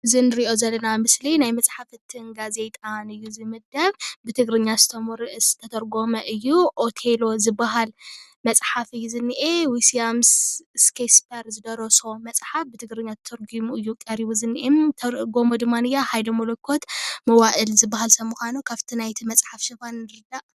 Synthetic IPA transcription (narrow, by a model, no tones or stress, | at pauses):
ɨzɨnɨɾiʔo̞zɐlːɐnamɨslinajmɐt͡sʼħafɨt̪ʰːɨnɡaze̞t̪ʼanɨjːuzɨmɨd̪ɐβbɨt̪ʰɨɡɾɨɲːasɨt̪ʰɐmuɾɨʔɨsɨ̥t̪ʰɐt̪ʰɐɾɡo̞mɐʔɨjːuʔot̪ʰe̞lo̞zɨbaɦal | mɐt͡sʼħafɨjːuzɨnːiʔewisiamsskʰespʰɐɾzɨd̪ɐɾoso̞mɐt͡sʼħafbɨt̪ʰɨɡɾɨɲːat̪t̪ʰɐɾɡimuɨjːukʼɐɾiβuzɨnːiʔemt̪ʰɐɾɡo̞mod̪ɨmːanɨjaħajd̪omolokʰːo̞t̪mɐwaʔɨlzɨbːaɦalsɐmuxʷanukʰaβt̪ʰinajt̪ʰimɐt͡sʼħafʃɨbanɨɾɨd̪aʔ